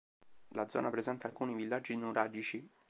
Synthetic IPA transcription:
lad̪zɔ̰ːnapɾezɛnt̪aːlkuːnivilːad͡ʒːinuɾʔaːd͡ʒit͡ʃi

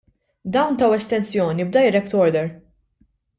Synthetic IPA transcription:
d̪ɐwnt̪ɐwɛst̪ɛnsjɔːnibd̪ɐjɾɛpt̪ɔɾd̪ɛɾ

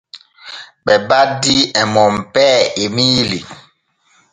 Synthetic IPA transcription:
ɓɛbadiɛmɔmpɛemili

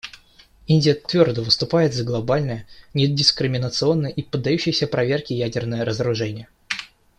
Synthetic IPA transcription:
inʲdʲɪjət̪vʲo̞rd̪əvɨst̪ʊpajɪt̪zəɡlˠɐbalʲnəjənʲɪdʲɪskɾʲɪmʲɪnət̪sɨo̞nːəjəʔipəd̪ːɐjuɕːɪjəsʲəpɾɐvʲe̞rkʲɪjædʲɪrnəjəɾəzəɾʊʐɛnʲɪjə

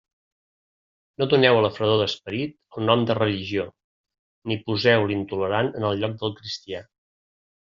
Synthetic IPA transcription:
noðunɛwələfɾəðoðəspəɾit̪əlˠnɔmd̪ərəliʒio | nipuzɛwlint̪uləɾanənəlˠʎɔk̚d̪əlˠkɾist̪ia

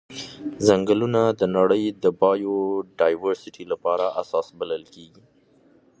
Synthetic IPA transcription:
zaŋɡəlunad̪ənaɽəjd̪əbɑjoɖɑjwaɾsɪʈilapɑɾaʔasɑsbaləlkeɡi

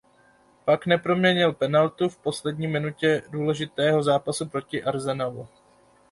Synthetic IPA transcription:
paknɛpɾo̞mɲɛɲɪlpɛnalt̪ufpo̞slɛdɲiːmɪnucɛduːlɛʒɪt̪ɛːɦo̞zaːpasupɾo̞cɪʔaɾzɛnavu

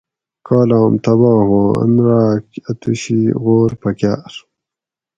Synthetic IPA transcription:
kaːlɑːmt̪ɐβɑːɦoɐ̰nɾaːkɐt̪uɕiɣoːɾpɐkja̰ːɾ

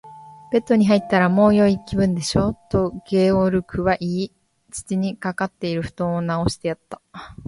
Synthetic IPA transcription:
b̥e̞t̪ːo̞ɲ̟iɦait̪ːaɾamo̞ːjo̞ikʲibɯ̟̃nd̪e̞ɕo̞ːt̪o̞ɡ̥e̞ːoɾɯ̟kɯ̟βaʔiː | t͡sɨ̥t͡ɕiɲ̟ikakat̪ːe̞iɾɯ̟ɸɯ̟̥t̪õ̞ːɰ̃onao̞ɕi̥t̪e̞jat̪ːḁ

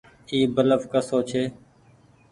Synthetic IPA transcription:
iːbələʋkəsoːt͡ʃʰeː

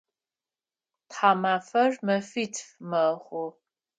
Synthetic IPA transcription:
tħaːmaːfɐrmɐfitʰfmɐχʷʊ

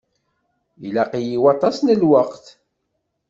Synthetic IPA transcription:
ilæqijiwɑt̪ˤːɑsnəlwəqθ

